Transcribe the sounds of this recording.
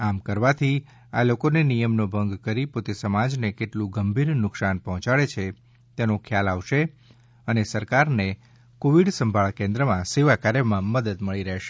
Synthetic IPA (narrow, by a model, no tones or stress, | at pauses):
amkəɾʋat̪ʰi | alokonenijəmnobʱəŋɡkəɾipot̪esəmad͡ʒnekeʈlũɡəmbʱiɾnʊksanpəɦɔ̃t͡ʃaɭet͡ʃʰe | t̪enõkʰjalaʋʃe | ənesəɾkaɾne | koʋiɽsəmbʱaɭkẽnd̪ɾəmãseʋakaɾjəmãməd̪əd̪məɭiɾəɦʃe̥